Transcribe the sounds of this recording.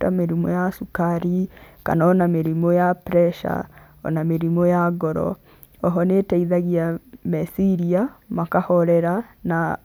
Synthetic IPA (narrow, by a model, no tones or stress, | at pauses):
tameɾimɔjasukaɾika̰nɔnameɾimɔjapɾɛʃa̰ | ɔ̰nameɾimɔjaɡɔɾɔ̰ | ɔɦɔnetɛiðaɣiamɛsiɾiamakahɔɾɛɾana